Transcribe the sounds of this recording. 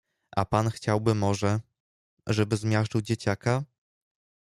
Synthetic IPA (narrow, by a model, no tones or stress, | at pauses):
ʔa̰panxt͡ɕawbɘmɔʐɛ | ʐɛbɘzmʲjaʂt͡ʂɨwd͡ʑet͡ɕaka